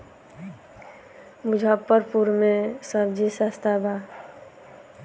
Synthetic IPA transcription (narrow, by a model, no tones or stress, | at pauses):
mʊd͡ʒʱəpːəɾpuɾmẽsəbd͡ʒisast̪ʰabʱa